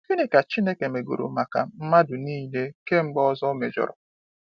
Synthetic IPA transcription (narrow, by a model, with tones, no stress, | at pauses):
ki˦nɪ˦ka˨t͡ʃi˦ne˦ke˨me˨ɡo̰˨ɾo̰˨ma˨ka̰˨m̩˦ma˦dʊ˨niː˦le˦ke˦ŋ͡m̩˦ɡ͡bɔ˦zɔ˦me˨d͡ʒɔ̰˨ɾɔ̰˨